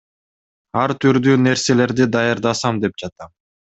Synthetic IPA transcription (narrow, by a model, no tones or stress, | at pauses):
ɑɾt̪ʰyɾd̪yːne̞ɾse̞le̞ɾd̪id̪ɑjɑɾd̪ɑsɑmd̪e̞p̚d͡ʒɑt̪ɑm